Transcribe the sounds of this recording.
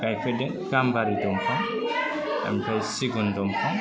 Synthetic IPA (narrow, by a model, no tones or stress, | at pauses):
ɡajkʰɔdɛnɡambaɾidɔmkʰaŋ | a̰mipʰajsiɡundɔmkʰaŋ